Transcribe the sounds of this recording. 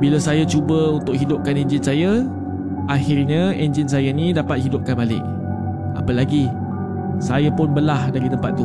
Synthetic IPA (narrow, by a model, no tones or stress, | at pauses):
bilasajat͡ʃubəunt̪ʊk̚ɦidʊp̚kanɛ̃nd͡ʒɪnsaja | ʔahɪrɲãend͡ʒɪnsajanĩdapat̪̚ɦidʊp̚kanbalɪ̰k̚ | a̰pəlaɡi | sajapʊnbəlahdaɾit̪əmpat̪̚ːu